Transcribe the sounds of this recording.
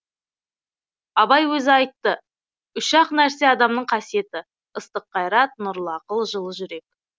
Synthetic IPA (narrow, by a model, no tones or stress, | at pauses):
ɑbɑjwɵzɪɑjt̪ːə | ʊʃɑqnæɾse̞ɑd̪ɑmnəɴqʰɑsije̞t̪ɪ | əst̪əqʰːɑjɾɑt̪̚nʊɾlˠɑqəlˠʒəlˠəʒʏɾe̞k̚